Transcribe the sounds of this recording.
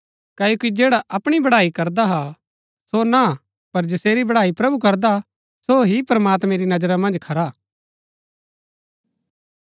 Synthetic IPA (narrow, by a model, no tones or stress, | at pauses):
kaːjoːkid͡ʒeːɽaʔɐpɽ̃ibɐɽaːikɐɾd̪aɦa | sona | pɐɾd͡ʒɐseːɾibɐɽaːipɾɐbukɐɾd̪a | soɦipɾɐmaːt̪mɛ̃ɾinɐd͡ʒɾamɐ̃nd͡ʒkʰɐɾa